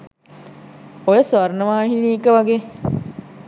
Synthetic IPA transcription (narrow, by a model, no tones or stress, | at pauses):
ojəsʋɐrnəʋaːɦiniːkəʋaɡeː